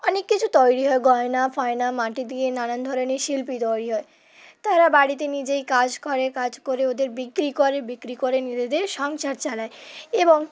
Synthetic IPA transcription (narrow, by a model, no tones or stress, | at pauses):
ɔnekːit͡ɕʰut̪ɔjɽiɦɔeɡɔenafɔenamaʈid̪ienanand̪ʱɔɾeniʃilpit̪ɔjɽiɦɔe | t̪aɾabaɽit̪enid͡ʑejkad͡ʑkoɾekad͡ʑkoɾeod̪eɾbikɾikoɾebikɾikoɾenid͡ʑed̪eʃɔŋʃaɾt͡ɕalaeeboŋ